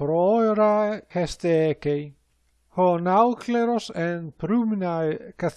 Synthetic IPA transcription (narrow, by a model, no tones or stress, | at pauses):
pɾɔeɾahɛst̪eɛkej | hɔnawkʰlɛɾɔsɛnpɾuminajkaθ